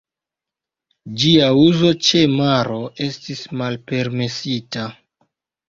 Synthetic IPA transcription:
d͡ʒiauzo̞t͡ʃe̞maɾo̞e̞stismalpe̞ɾme̞sita

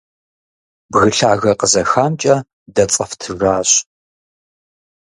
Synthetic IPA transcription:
bɣɨɬaːɣɐqəzɐxaːmt͡ʃʼɐ | dɐt͡sʼɐftʰɨraːɕ

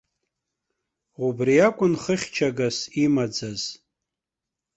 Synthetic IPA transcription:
ubriakʷʼʊnχəχʲt͡ʃʰaɡasimad͡zaz̥

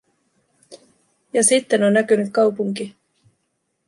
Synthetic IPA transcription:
jɑsit̪ːe̞no̞nːækynyt̪̚kɑwpuŋki

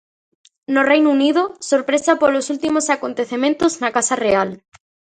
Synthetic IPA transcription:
norejnuniðosoɾpɾesapolosult̪imosakont̪eθemẽnt̪oznakasareal

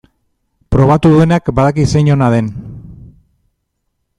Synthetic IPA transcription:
pɾo̞β̞at̪uðue̞nakbaðakisejɲo̞naðe̞n

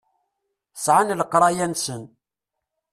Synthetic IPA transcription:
sʕanləqːɾˤɑjænsən

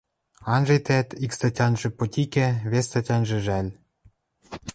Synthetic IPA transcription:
ɑnʒĕjt̪æt̪ikst̪ɑtʲɑnʒĕpot̪ʲikæβest̪ɑtʲɑnʒĕʒælʲ

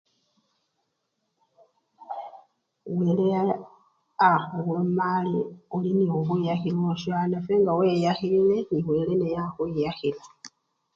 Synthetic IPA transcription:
we̞ːle | axawomaliolinioβwejaxilwoʃanafeŋɡaweːjaxilile̞niwe̞ːle̞nejaxwejaxila

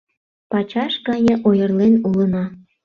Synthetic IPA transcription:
pɑt͡ɕɑʃɡɑnʲə̆ʔojə̆rlenulənɑ

